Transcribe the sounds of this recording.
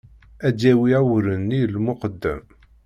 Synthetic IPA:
ædæwiæwɾənːilmʊqəd̪ːæ̰m

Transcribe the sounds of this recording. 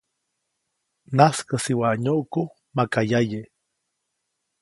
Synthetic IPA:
naskasiwaɲoʔko | makajaje

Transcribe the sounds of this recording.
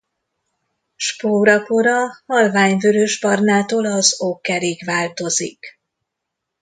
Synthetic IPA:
ʃpoːɾɒkoɾɒhɒlvaːɲvøɾøʒbɒrnaːt̪oːlɒzokːɛɾiːɡʋaːlt̪o̞zḭk

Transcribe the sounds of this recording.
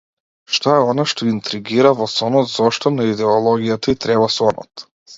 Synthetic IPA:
ʃt̪ɔɛɔnaʃt̪ɔint̪ɾiɡiɾavɔsɔnɔt̪zɔʃt̪ɔnaid̪ɛɔlˠɔɡijat̪ait̪ɾɛβasɔnɔ̰t̪

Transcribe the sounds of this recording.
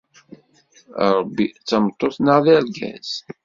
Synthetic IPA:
ɾˤbːit͡sːəmt̪ˤːoθnaʁðæɾɡæ̰z̥

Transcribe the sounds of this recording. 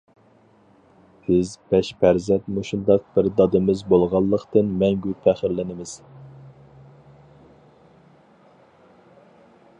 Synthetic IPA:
b̥ɪzbɛʃpʰæɾzɛnt̪moʃund̪ɑq̚b̥ɪɾd̪ɑd̪ɨmɨzbolˠʁɑlˠːəqt̪ɨnmɛŋɡʲypʰæχɪɾlɪnɪmɪz̥

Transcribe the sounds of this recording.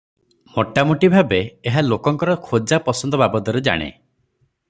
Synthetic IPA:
moʈamoʈibʱabeːɦalokɔŋkɔɾɔkʰod͡ʒapɔsɔnd̪ɔbabɔt̪ɔɾed͡ʒa̰ɽ̃ḛ

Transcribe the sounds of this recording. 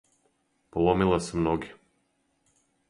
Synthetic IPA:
polˠomilˠasemnoɡʲe

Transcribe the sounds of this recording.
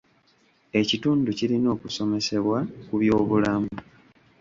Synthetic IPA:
e̞cituːnducilino̞ːkuso̞me̞se̞βwakuβjo̞ːβulamu

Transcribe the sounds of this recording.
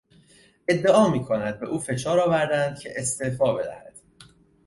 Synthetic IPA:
ʔe̞d̪ːe̞ʔɒːmiːkʰonæd̪̚be̞ʔuːfe̞ʃɒːɾɒːvæɾd̪ænd̪̥̚cʰe̞̰ʔest̪efɒːbe̞d̪æ̰hæd̪̥

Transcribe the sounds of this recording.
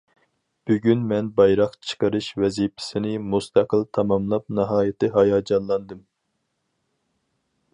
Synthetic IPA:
b̥yɡʲynmɛnbɑjɾɑqt͡ʃʰə̥qəɾɨʃvɛzipʰɪ̥sɪnɪmust̪ʰæqəlˠt̪ʰɑmɑmlˠɑp̚nɨɦɑːjɪt̪ʰɨɦɑjɑːd͡ʒɑnlˠɑnd̪ɨm

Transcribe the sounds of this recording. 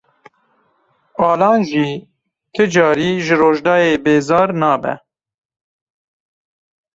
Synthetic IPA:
ɑːlɑːnʒiː | kʰɨd͡ʒɑːɾiːʒɨɾoːʒd̪ɑːjeːbeːzɑːɾnɑːbɛ̰

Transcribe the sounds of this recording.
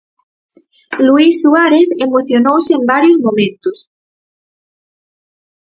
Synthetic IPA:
luisːuaɾeθemoθjonowseembaɾjozmõmẽnt̪os

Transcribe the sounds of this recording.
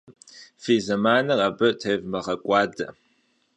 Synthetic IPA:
fiːzɐmaːnɐrabɐtʰeːvmɐʁɐkʷʼɑːdɐ

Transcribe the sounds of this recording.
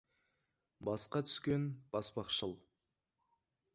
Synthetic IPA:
bɑsqɑt̪ʰʏ̥skʲe̞nb̥ɑspɑqʃəlˠ

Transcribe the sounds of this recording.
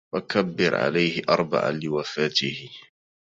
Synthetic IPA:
wakabːɪɾʕa̰lajhɪʔɑ̰ɾˤba̰ʕa̰lɪwafaːt̪ɪhɪ

